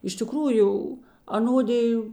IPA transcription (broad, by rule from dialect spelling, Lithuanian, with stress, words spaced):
ɪʃ tʲɪˈkruːjʊ ɐˈnoːdʲɪjʊ